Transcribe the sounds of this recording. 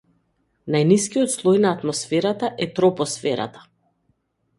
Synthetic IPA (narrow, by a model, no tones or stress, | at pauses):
najniskijɔt̪slˠɔjnaːt̪mɔsfɛɾat̪aʔɛt̪ɾɔpɔsfɛɾa̰t̪ḁ